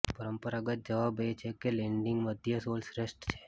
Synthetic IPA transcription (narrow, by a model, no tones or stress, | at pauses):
pəɾəmpəɾaɡət̪̚d͡ʒəʋabejt͡ʃʰekeleɳɖɪ̃ŋɡməd̪ʱjəsolsɾesʈt͡ʃʰe̥